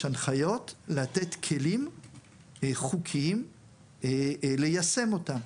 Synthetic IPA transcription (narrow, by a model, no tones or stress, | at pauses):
anχajo̞tlat̪et̪kʰelim | χukʰim | lejase̞mo̞t̪am